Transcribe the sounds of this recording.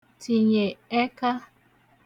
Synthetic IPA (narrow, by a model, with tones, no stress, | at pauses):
ti˨ɲe˨e˦ka˦